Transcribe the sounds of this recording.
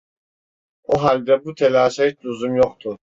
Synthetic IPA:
oɦalʲd̪ɛbut̪ʰɛlaːʃait͡ʃluzumjoχt̪ʰu

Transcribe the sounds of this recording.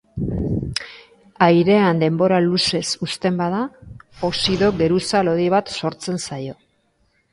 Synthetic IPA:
ajɾe̞and̪e̞mbo̞ɾaluse̞sust̪e̞mbaðaosiðo̞ɡe̞ɾusalo̞ðiβat̪so̞ɾt͡se̞nsajo̞

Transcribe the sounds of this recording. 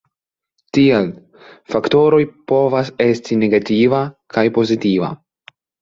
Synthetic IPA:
tiel | fakto̞ɾo̞jpo̞vase̞stine̞ɡativakajpo̞zitiva̰

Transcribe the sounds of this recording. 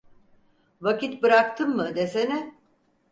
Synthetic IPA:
vakit̪̚bɯɾakt̪ʰɯmmɯd̪esenɪ

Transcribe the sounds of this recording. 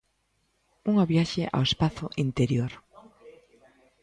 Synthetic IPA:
uŋaβjaʃeʔa̰wespaθʊʔint̪eɾjoɾ

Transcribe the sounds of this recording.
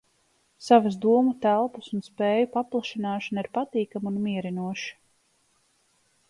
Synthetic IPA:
savas̬d̪uɔmut̪ælˠpusunspeːjupaplˠaʃinaːʃanaiɾpat̪iːkamunmiɛɾinuɔʃi̥

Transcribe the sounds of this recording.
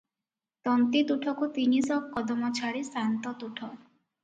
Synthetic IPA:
t̪ɔnt̪it̪uʈʰɔkut̪inisɔkːɔd̪ɔmɔt͡ʃʰaɾisant̪ɔt̪uʈʰɔ

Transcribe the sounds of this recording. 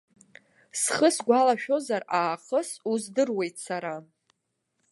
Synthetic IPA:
sχəsɡʷalaʃᶣo̞zaraːqʼəsuzdɨrwe̞jtʰʼsaɾa

